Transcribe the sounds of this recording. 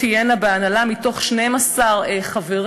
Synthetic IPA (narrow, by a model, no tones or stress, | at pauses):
ijenabeanalamito̞χʃnejmasaʁeχaveʁ